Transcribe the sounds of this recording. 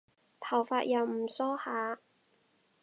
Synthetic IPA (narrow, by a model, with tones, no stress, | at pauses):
t̪ʰɐ˨˩wfaː˧t̚jɐ˨˧wm̩˨˩sɔː˥haː˨˧